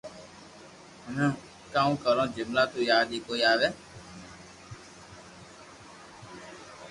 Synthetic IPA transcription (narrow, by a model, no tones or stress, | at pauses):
ənãː | kãːũːkəlõːd͡ʒɪmlaːt̪uːjaːd̪iːkoːiːaːʋeː